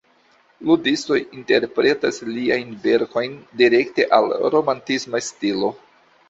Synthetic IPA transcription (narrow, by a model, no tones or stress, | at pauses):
ludisto̞jinte̞ɾpɾe̞tasliajnve̞ɾko̞jndiɾe̞kte̞̰ʔalɾo̞mantismastilo̞